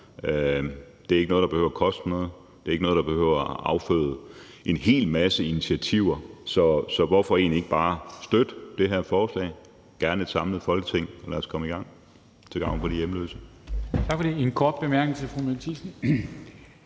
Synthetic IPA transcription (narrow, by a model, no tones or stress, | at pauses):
ø | d̥e̝æɐe̝ɡ̥ənɔ̽ðˠdɑ̈be̝hø̰ʊɐkʰɒ̽sd̥nɔ̽ːð̩ˠ | d̥e̝æɐeɡ̥nɔːðˠd̥ɑb̥e̝hø̰ʊ̰ɐʔɑ̈ʊfø̰ːðˠ | ʔe̝nɦe̝̰ːlmæsəinit͡sʰiæt͡sʰiʊ̰ɐsɒ̽sɒ̽ʋɒfɒ̽e̝̰ːn̩e̝ɡ̥əb̥ɑ̈ːsd̥ød̥d̥e̝ɦæɐ̰fɒːslɛ̰ːɪ | ɡ̥æɐned̥sɑ̈mləð̩ˠfɒ̽lɡ̥ət͡sʰe̝ŋ̰ɒ̽læɐskʰɒ̽məiɡ̥ɑ̈ŋ̰ | t͡sʰe̝ɡɑ̈ʊ̰n̩pʰɒ̽dijeməlø̰ːsət͡sʰɑ̈ɡ̥fɒd̥e̝enkʰɒːd̥̚b̥emæɐɡ̥n̩sʰefʁumelt͡sʰisn̩